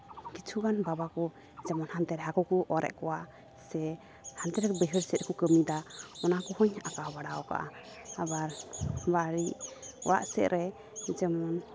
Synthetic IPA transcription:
kit͡ʃʰuɡanbabakɔ | d͡ʒɛmɔnhant̪ɛɾɛɦakɔkɔʔɔɾʔɛ̰ʔkɔwa | sɛ | hant̪ɛɾɛkɔbəɦəɾsɛt̪̚kɔkəmid̪aɔnakɔhɔɲakawbaɽaɔka̰ʔa | abaɾbaɾiʔɔ̰wa̰ʔsɛʔ̪ɾʔɛ | d͡ʒɛmɔn

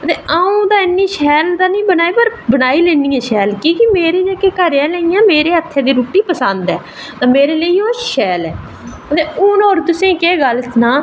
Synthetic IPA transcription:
ət̪eːaːũːd̪aːɪnːiːʃɛːld̪aːnĩːbənaːiːpəɾbənaːiːleːniːɛ̃ːʃɛːlkiːkɪmeːɾeːd͡ʒeːkeːkəɾjaːlẽːijãːmeːɾeːət̪ʰːẽːd̪iːɾuːʈiːpəsə̃nd̪ɛ̰ː | t̪ãːmeːɾeːləiːoːʃɛːlɛ̰ː | ət̪eːʊːnoːɾt̪ʊsẽːkeːɡəlsnaː

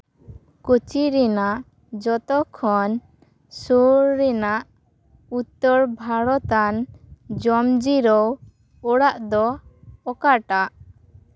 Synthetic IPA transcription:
kut͡ʃiɾɛnaʔ | d͡ʒɔt̪ɔkʰɔn | suɾːɛnaʔ | ut̪ːɔɾbʱaɽɔt̪and͡ʒɔmd͡ʒiɾɔw | ɔɽaʔd̪ɔɔkaʈaʔ

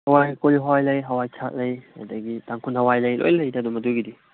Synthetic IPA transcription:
hɐwajkoliɦɔjlɐjɦɐwajt͡ʃʰat̚lɐja̰dɐɡitaŋkʰunhɐwajlɐjlo̰jlɐjnɐdumɐduɡidi

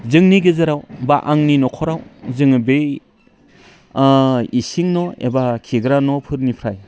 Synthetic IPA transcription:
zɯŋniɡizɯɾawbaʔaŋninɔkʰɔɾawzɯŋɯbe | isiŋnɔḛbakʰiɡɾanɔpʰɯɾnipʰɾaj

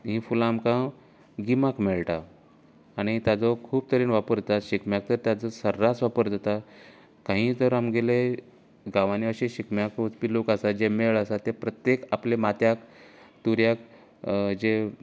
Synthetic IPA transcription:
ɦĩːfulamkã | ɡimakmeɭʈaː | ɽ̃it̪jad͡zɔkʰuːb̚t̪əɾiːnʋapəɾd̪t̪at̪ɕikmjak̚t̪əɾt̪jad͡zəsəɾːasʋapəɾd̪et̪a | kãɦĩːd͡zəɾamɡele | ɡãʋaniəɕeɕikmjakut͡spilokəsad͡ʑemeɭəsat̪epɾət̪jekaplemat̪jakt̪uɾjak | d͡ʑe

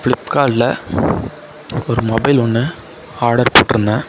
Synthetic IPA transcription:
fɭɪpːkaːɭlɐ | ɔɾɯmɔbɐɪlɔnːɯ | aːɾɽɐɾpoːʈːɪɾɯnd̪ãː

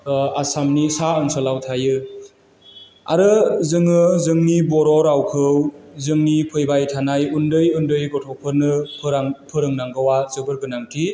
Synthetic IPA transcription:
asamnisaɯnsɯlawtʰajɯ | a̰ɾɯzɯŋɯzɯŋnibɔɾɔɾawkʰɯwzɯŋnipʰɯjbajtʰanajundɯjundɯjɡɔtʰɔpʰɯɾnɯpʰɯɾaŋpʰɯɾɯŋnaŋɡawazɯbɯɾɡɯnaŋtʰi

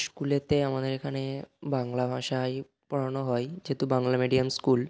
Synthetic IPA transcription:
skulet̪eamad̪eɾekʰanebaŋlabʱaʃaj | pɔɽanoɦɔed͡ʑet̪ubaŋlameɖiamskul

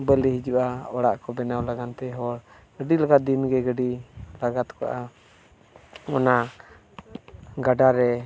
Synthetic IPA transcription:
bəliɦid͡ʒuʔaɔɽaʔkɔbɛnawlaɡant̪ɛɦɔɽ | ɡəɖilaɡat̪̚d̪inɡɛɡəɖilaɡat̪kɔʔa | ɔna | ɡaɖaɾɛ

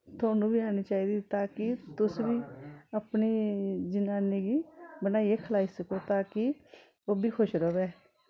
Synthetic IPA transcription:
t̪ʰʊoːnũːbiːaːñiːt͡ʃaːiːd̪iːt̪aːkɪt̪ʊsʋiːəpniːd͡ʒɪnaːneːɡiːbənaːiːeːkʰəlaːiːsəkoːt̪aːkɪ | oːbʱiːkʰʊʃɾoːʋɛː

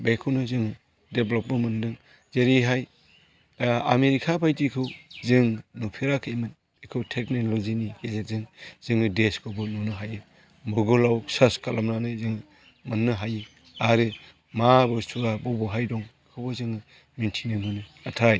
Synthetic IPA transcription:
bekʰɯwnɯzɯŋɯ | deblɔp̚mɯmɯndɯŋ | zeɾiɦaj | a̰meɾikʰapʰajtikʰɯwzɯŋnupʰiɾakʰɯjmɯn | ikʰɯwtʰek̚nelɔzinikezek̚zɯŋz̥ɯŋɯdeskʰɯbɯnunɯɦajɯ | mɔɾɡɔlawsaskalamnanɯzɯŋɯ | mɯnːɯɦajɯ | aɾɯ | mabɯsuɡabɔbɔɦajdɔŋ | kʰɯwbɯzɯŋɯ | mintʰinɯmɯnɯatʰaj

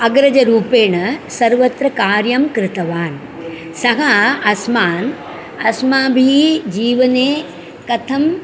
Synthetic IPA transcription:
ɐɡɾɐd͡ʒɐɾuːpeːɳɐsɐɾʋɐt̪ɾɐkaːɾjɐmkɾɪt̪ɐʋaːn | sɐɦɐɐsmaːn | ɐsmaːbʱiːd͡ʒiːʋɐneː | kɐt̪ʰɐm

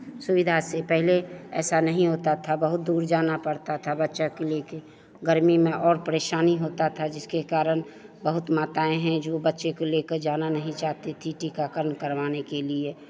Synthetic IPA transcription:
sʊʋɪd̪ʱasepɛɦleɛːsanəɦĩɦoːt̪at̪ʰabəɦʊt̪̚d̪uːɾd͡ʒaːnapəɽt̪at̪ʰabətːʃakeleːke | ɡəɾmimẽʔɔːɾpəɾeːʃaːniɦoːt̪at̪ʰad͡ʒɪskekaːɾəñ | bəɦʊt̪maːt̪aːẽɦɛ̃d͡ʒoːbətːʃekoleːkəɾd͡ʒaːnanəɦĩt͡ʃaːɦt̪et̪ʰiʈʰiːkakəɾnkəɾʋaːnekelie

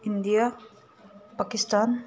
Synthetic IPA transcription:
ɪnd̪ija | pakɪsʈaːn

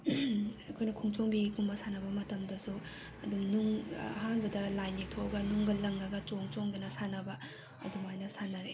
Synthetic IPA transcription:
ɐkʰojnɐkʰuŋt͡ʃoŋbiɡumbɐsanɐbɐmɐtɐmdɐsu | ɐdumnuŋɦanbɐdɐlajnitʰoɡɐnuŋɡɐlɐŋːɐɡɐt͡ʃoŋt͡ʃoŋdɐnɐsanɐbɐ | ɐ̰dumajnɐsanɐɾe

